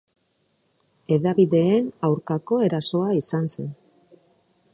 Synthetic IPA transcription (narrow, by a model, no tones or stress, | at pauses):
e̞ðaβiðe̞ːnawɾkako̞e̞ɾaso̞aisanse̞n